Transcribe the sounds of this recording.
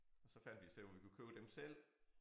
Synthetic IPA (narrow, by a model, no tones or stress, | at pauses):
ɒ̽sɒ̽fæn̰d̥ʋisd̥eʋɒʋikʰukʰøːʊd̥emsel̰